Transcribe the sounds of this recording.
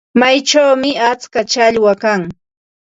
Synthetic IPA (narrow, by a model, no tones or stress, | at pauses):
majt͡ʃawmɪat͡skat͡ʃaʎwakaŋ